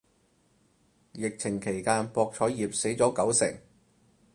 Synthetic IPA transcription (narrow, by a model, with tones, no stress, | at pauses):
jɪ˨k̚t͡sʰɪ˨˩ŋkʰe˨˩jkaː˧npɔː˧k̚t͡ʃʰɔː˨˥jjiː˨p̚se˨˥jt͡sɔː˨˥kɐ˨˥wsɪ̰˨˩ŋ